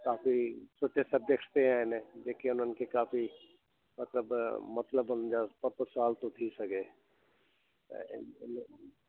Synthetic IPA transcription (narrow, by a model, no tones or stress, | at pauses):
kaːfisʊʈʰesɐbd͡ʒəkʈt̪eɦɛ̃ɪned͡ʒeːkeʊnɦənkekaːfi | mɐt̪ləbmɐt̪ləbʊnd͡ʒapɐt̪saːlt̪ot̪ʰisɐɡeː | ɪn